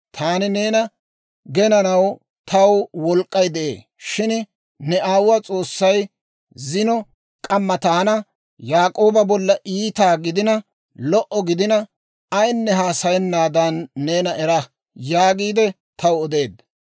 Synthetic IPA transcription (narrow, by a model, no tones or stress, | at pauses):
t̪ʰaːnɪne̞ːnɐ | ɡɛnɐnɐw | t̪ʰɐwwɔlkʼːɐjd̪ɛʔḛː | ʃɪn | nɛʔaːwwat͡sʼo̞ːsːɐj | zɪnɔ | kʼɐmːɐt̪ɐɐnɐ | jaːkʼo̞ːbɐbɔlːɐʔiːt̪aːɡɪd̪ɪnɐ | lɔʔɔɡɪd̪ɪnɐ | ɐjnːɛɦaːsɐjɛnːaːd̪ɐnːeːnɐʔɛɾɐ | jaːɡiːd̪ɛ | t̪ʰɐwɔd̪e̞ːd̪